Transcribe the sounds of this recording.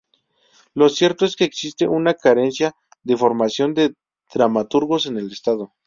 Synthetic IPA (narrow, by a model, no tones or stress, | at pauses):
lo̞sje̞ɾt̪oe̞skeːksist̪e̞̰ʔunakaɾe̞nsja | ðefo̞ɾmasjo̞nd̪e̞ | ð̥ɾamat̪uɾɣo̞se̞nelest̪aðo̞